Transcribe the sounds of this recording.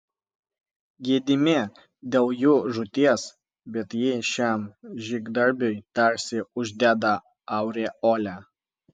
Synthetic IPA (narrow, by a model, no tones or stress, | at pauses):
ɡʲiɛd̪ʲɪmʲe | d̪ʲeːlˠjuːʒʊt̪ʲiɛs | bʲɛt̪jɪʃʲɛmʒʲɪɡd̪ɐɾʲbʲojt̪ɐɾʲsʲɪʊʒʲd̪ʲæːd̪ɐ | ɑˑʊɾʲeoːlʲæː